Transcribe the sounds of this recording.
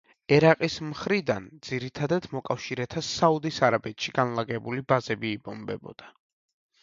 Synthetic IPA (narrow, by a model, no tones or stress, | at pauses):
ɛɾaqʼismχɾid̪and̪z̥iɾit̪ʰad̪at̪mɔkʼafʃiɾɛt̪ʰasaud̪isaɾabɛt̪ʃiɡanlˠaɡɛbulibazɛbiːbɔmbɛ̰bɔ̰d̪̥a